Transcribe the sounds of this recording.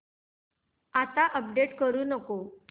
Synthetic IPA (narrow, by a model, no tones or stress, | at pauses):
at̪aʔəp̚ɖeʈkəɾuːnəko